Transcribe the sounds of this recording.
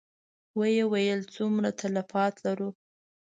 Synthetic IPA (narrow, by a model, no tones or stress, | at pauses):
wəjewajəlt͡sumɾat̪ʰalafɑt̪laɾu